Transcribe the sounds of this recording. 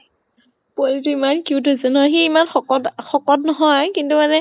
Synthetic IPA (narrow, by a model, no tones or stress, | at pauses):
polituimankuwdozɔnɔxeːmanxɔkɔtxɔkɔt̚nɔɦɔjkintumanɛ